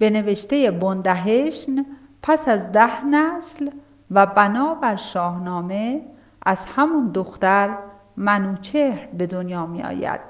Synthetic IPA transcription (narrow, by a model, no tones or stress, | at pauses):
b̥e̞ne̞ve̞ʃt̪e̞je̞bond̪æɦeʃn | pʰæsæzd̪æhnæsl | væbænɒːbæɾʃɒːhnɒːme̞ | ʔæz̥hæmund̪oxt̪æɾ | mænuːt͡ʃʰehɾbe̞d̪onjɒːmḭɒ̰ːjæ̰d̪̥